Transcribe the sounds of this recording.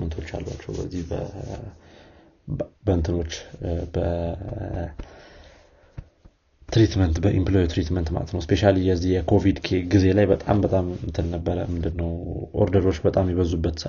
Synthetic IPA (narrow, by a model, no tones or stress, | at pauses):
ənt̪ʰo̞t͡ʃːa̰lba̰t͡ʃːɛwbəzːihbə̰ | bənt̪ʰɨno̞t͡ʃːbə | t̪ɾit̪mənt̪bəʔimplojit̪ɾit̪mənt̪ma̰lə̰t̪nəwspʰe̞ʃalijɛzːihjɛkʰo̞vid̪kʰe̞ɡize̞lajbət̪ʼa̰mbət̪ʼamt̪ʰɨnːəbːəɾə̰mɨnd̪ɨnːəwʔo̰ɾd̪əɾo̞t͡ʃːbət̪ʼamjɛβəzːubːət̪sə